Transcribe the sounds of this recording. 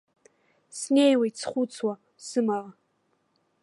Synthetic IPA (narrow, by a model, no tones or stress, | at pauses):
snejwajt͡sʰχʷut͡sʰwa | sɨmaʁa